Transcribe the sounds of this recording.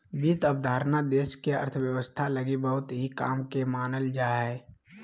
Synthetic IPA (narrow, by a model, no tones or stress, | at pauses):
biːt̪əb̚d̪ʱaːɾnad̪eːʃkeə̰ɾt̪ʰʋjəwəst̪ʰaləɡibəɦʊt̪ɦika̰ːmkemaːnəld͡ʒaːɦɛː